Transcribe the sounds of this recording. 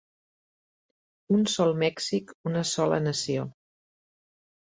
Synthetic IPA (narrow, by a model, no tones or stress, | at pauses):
unsɔlˠmɛksikunəsɔlə̰nəsio